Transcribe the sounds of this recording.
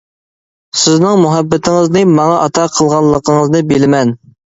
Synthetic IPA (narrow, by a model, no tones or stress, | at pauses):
sɪznɪŋmuɦæbːɪt̪ʰɪŋɪznɨmɑŋɑʔɑt̪ʰɑqʰəlˠʁɑlˠːəqʰəŋəznɨbɪlɪmɛn